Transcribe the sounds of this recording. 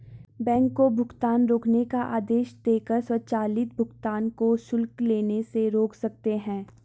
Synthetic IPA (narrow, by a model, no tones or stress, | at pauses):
bɛ̃ːŋkːobʱʊɡt̪aːnɾoːknekaʔaːd̪eːʃd̪eːkəɾswət͡ʃaːlɪt̪̚bʱʊɡt̪aːnkoʃʊlkleːneseɾoːksɐk̚t̪eɦɛ̃ː